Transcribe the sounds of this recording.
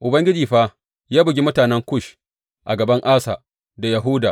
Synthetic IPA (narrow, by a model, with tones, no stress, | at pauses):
ʔʊ˨bɐ˦ŋɡʲɪ˦d͡ʒiː˨ɸa˦ | jaː˦bʊ˨ɡʲi˦mʊ˦taː˨nɛ˦ŋkʷʊ˦˨ʃ | ʔa˨ɡɐ˨bɐ˦ŋʔaː˦sa̰˨ | da˨ja˨ɦʊ˦daː˨